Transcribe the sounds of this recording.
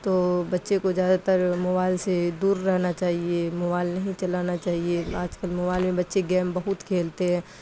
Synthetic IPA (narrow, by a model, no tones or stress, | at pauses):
t̪oːbɐtːʃekozjaːd̪at̪əɾmobaːɪlsed̪uːɾːɛɦnat͡ʃaːɦiemobaːɪlnɐɦĩt͡ʃɐlaːnat͡ʃaːɦieaːd͡ʒkəlmobaːɪlmẽbɐtːʃeɡɛːmbɐɦʊt̪kʰeːlt̪eɦɛ̃ː